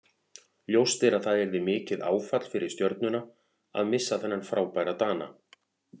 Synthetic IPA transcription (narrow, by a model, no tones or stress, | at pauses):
ljowst̪ɪɾaðθaðɛɾðɪmɪːcɪða̰ːwfat̪l̥fɪɾɪɾ̥st̪jœɾt̪̚nʏna | a̰ðmɪsːaθɛnːanfɾaːwpajɾat̪aːna̰